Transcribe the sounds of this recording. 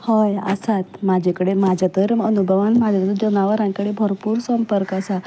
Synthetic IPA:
hɔjə̰sat̪mad͡ʑʱekəɽemad͡ʑʱat̪əɾənubʱəʋanmad͡ʑʱaət̪əd͡ʑənaʋəɾãŋkəɽebʱəɾpuːɾsəmpəɾkəsa

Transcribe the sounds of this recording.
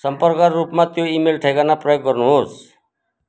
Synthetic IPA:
sʌmpʌɾkaːupmat̪joimelʈʰejkanapɾɔjok̚ɡʌɾnuɦos

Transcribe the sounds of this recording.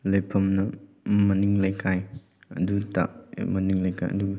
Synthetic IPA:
lɐjpʰɐmnɐ | mɐniŋlɐjkʰaj | ɐ̰duta̰mɐniŋlɐjkʰa̰jʔɐ̰duɡɐ

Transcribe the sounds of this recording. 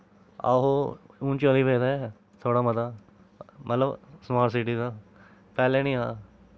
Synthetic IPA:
a̰ːɦoːũːnt͡ʃoːliːpeːd̪aːɛː | t̪ʰoːɽaːmət̪aː | mʔə̰t̪ləbsəmaːʈsɪʈiːd̪aː | pɛːlẽːnĩːaː

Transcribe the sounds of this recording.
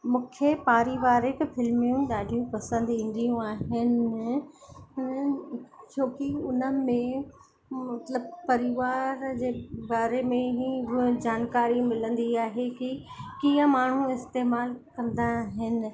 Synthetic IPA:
mũːkʰepaːɾiʋaːɾekfɪlmijũɗaːɖʱijũpɐsə̃nd̪ĩːn̆d̪ijũaːɦɪn | t͡ɕoːkiʊnə̆mẽ | mɐt̪ləbpɐɾɪʋaːɾd͡ʑeːbaːɾemẽɦiɦd͡ʑaːnkaːɾimɪlə̃nd̪iaːɦekikiːə̃maːɳ̤ũɪst̪eːmaːlkɐ̃nd̪aɦɪnɪ̆

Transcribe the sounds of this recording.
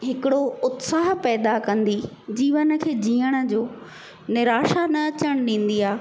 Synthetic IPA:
ɦɪkɪɽoʊt̪saːɦpɛːd̪akɐ̃nd̪id͡ʑiːʋənə̆kʰeːd͡ʑiːəɽ̃ə̆d͡ʑoː | nɪɾaːʃanɐɐt͡ɕəɽ̃ɗĩːn̆d̪iaː

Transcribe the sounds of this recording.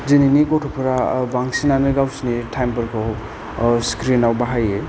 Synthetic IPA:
zininikɔtʰɔpʰɯɾabaŋsinanɯɡawsinitʰajmbɐɾkʰɔw | skɾinawbaɦaje

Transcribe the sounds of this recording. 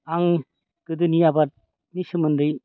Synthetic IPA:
aŋ | ɡ̥ɯd̪ɯnijabat̚ | nisɯmɯndɯj

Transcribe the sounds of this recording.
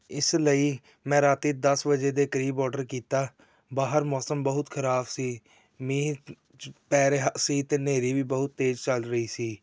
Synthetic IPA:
ɪsləiː | mɛ̃ːɾaːt̪iːd̪əsʋəd͡ʒeːd̪eːkəɾiːbɔːɖəɾkiːt̪aː | baːɦəɾmɔːsəmbəɦʊt̪kʰəɾaːbsiː | mĩː | pɛːɾeɦsiːt̪eːneːɾiːʋiːbəɦʊt̪̚ːeːd͡ʒt͡ʃəlɾəiːsiː

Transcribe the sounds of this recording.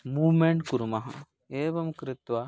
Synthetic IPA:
muːʋmeɳʈkuɾumɐɦɐ̰ | eːʋɐmkɾɪt̪ʋɐ

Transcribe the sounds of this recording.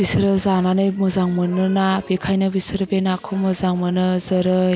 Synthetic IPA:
bisɾɯzananɯjmɯzaŋmɯnɯnabekʰajnɯbisɯɾɯbenakʰomɯzaŋmɯnɯzəɾɯ

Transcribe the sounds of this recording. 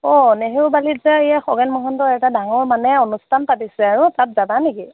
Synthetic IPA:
ɔneɦewbalizaejaxɔɡɛnmɔɦɔntɔɛtadaŋɔɹmanɛɔnustʰanpatisɛaɹʊtat̚zabaneki

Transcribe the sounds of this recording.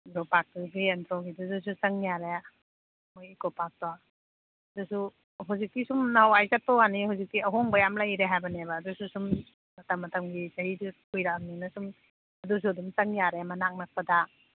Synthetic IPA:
ndɾɔpak̚tɡientɾɔɡiduzus̬usɐŋjaɾe | mojikopak̚tɔ | ɐdusu | ɦuzik̚tisumnawajzat̚pɔɡanihuwzik̚tiɐɦoŋbɐjamlajɾeɦajbɐnebɐːdususum | mɐtʰɐmːɐtʰɐmɡisɐɦidukujɾaninɐsum | ɐdus̬uɐdumsɐŋjaɾemɐnak̚nɐk̚pɐda

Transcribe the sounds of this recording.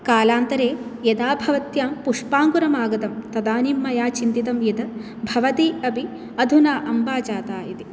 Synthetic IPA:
kaːlaːnt̪ɐɾeːjɐd̪aːbʱɐʋɐt̪jaːmpuʂpaːŋɡuɾɐmaːɡɐt̪ɐmt̪ɐd̪aːnimːɐjaːt͡ʃint̪it̪ɐmjɐd̪ɐ | bʱɐʋɐt̪iɐbʱi | ɐd̪ʱunaːʔɐmbaːt͡ʃaːt̪aːit̪i

